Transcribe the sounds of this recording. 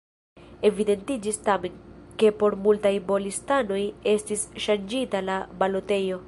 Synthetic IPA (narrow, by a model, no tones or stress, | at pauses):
e̞vide̞ntid͡ʒistame̞nke̞po̞ɾmultajbo̞listano̞je̞stisʃand͡ʒitalabalo̞te̞jo̞